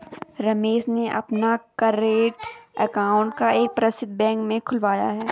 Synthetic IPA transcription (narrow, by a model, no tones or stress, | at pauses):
ɾɐmeːʃneʔɐ̰pnakɐɾeːʈəkaːʊ̃ɳʈkaeːk̚pɾɐsɪd̪ʱbɛ̃ːŋkmẽkʰʊlʋaːja̰ɦɛː